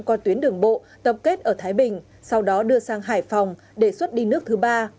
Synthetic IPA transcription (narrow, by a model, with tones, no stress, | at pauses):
kɔ˨˧t̪wi˨˦ənɗɨ˨˩əŋɓo̰˧˨ | t̪ə˨˩p̚ke˦˥t̚ʔəː˧˩t̪ʰaː˨˦jɓï˨˩ŋ̟ | sa˧wɗɔ˨˦ɗɨ˧əsaː˧ŋɦaː˧˩jfa˨˩wŋ͡m | ɗe˧˩swə˦˥t̚ɗi˧nɨ˦˥ək̚t̪ʰɨ˨˦ɓaː˧